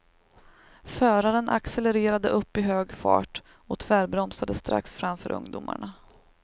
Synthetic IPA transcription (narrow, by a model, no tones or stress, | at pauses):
fœːɾaɾənʔa̰ksɛlɛɾeːɾad̪əʔɵpːɪɦøːɡfɑ̰ːʈ | ɔt̪ʰvæːɾbɾɔmsad̪əst̪ɾa̰ksfɾamfœːɾʔɵ̰ŋd̪ʊma̰ɳa